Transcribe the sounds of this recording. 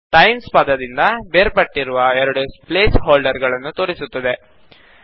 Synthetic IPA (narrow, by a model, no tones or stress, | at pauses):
ʈɐjmspɐd̪ɐd̪ind̪ɐbeːɾpɐʈːiɾuʋɐɛɾɐɽuspleːsɦoːlɖɐɾɡɐɭɐnːut̪o̞ːɾisut̪ːɐd̪e̞